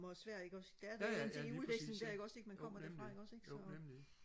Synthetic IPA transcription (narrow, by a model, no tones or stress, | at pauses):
mɐsʋæɐ̰e̝ɡ̥ɒ̽sd̥ææɐd̥æd̥enʰeŋiuðˠʋeɡ̥sne̝ŋd̥æɐe̝ɡ̥ɒ̽se̝ɡ̥mænkʰɒ̽m̰ɐd̥eɐfɑ̈e̝ɡ̥ɒ̽se̝ɡ̥sɒ̽